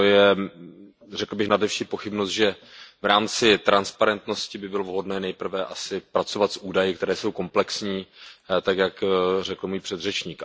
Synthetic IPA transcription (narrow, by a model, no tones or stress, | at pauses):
ojɛ | rɛkl̩bɪxnadɛfʃiːpo̞xɪbnost̪ʒɛvɾaːmt͡sɪt̪ɾanspaɾɛnt̪no̞scɪbɪbɪlovɦo̞dnɛːnɛjpr̩vɛʔasɪpɾat͡so̞vat̪sʔuːdajɪk̚t̪ɛɾɛːso̞wko̞mplɛksɲiːt̪akjakrɛkl̩muːjpr̥ɛd̪rɛt͡ʃɲiːk